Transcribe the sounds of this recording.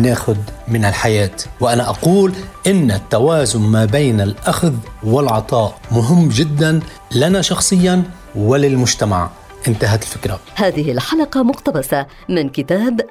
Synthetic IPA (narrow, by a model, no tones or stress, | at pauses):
naːxʊd̪mɪnɪlħajaːt̪wɪʔanaʔɑquːlʔɪnːat̪ːawaːzʊnmaːbeːnalʔaxðwɪlʕɑt̪ˤɑːʔmʊɦɪmːd͡ʒɪd̪ːan | lanaʃɑxsˤɨjːan | wɪlɪlmʊʒt̪ama̰ʕ | ʔɪnt̪aɦat̪ɪlfɪkɾˤahaːðɪɦɪlħalɑqɑmʊqt̪abasa | mɪnkɪt̪aːb